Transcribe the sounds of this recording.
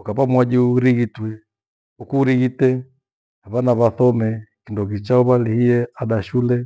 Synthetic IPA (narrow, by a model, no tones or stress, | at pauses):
ukapamwad͡ʒiuɾiɣitwɛ | ukuɾiɣitɛ | naβanaβaθɔmɛkindɔɣit͡ʃauβalihiɛaɗaʃulɛ